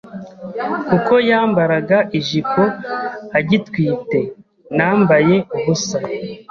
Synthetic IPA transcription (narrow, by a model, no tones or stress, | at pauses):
kuko̞jaːmbaɾaɡaʔiʒiko̞aɟitkwiːte̞ | naːmbaje̞uβusa